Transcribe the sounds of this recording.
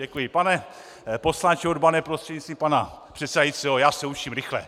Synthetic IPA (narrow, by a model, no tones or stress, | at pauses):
ɛkujɪpanɛ | po̞slant͡ʃɛodbanɛpɾost̪r̥ɛɟɲitst̪viːmpana | pr̥ɛt̪sɛdajit͡siojaːsɛut͡ʃimɾɪxlɛ̰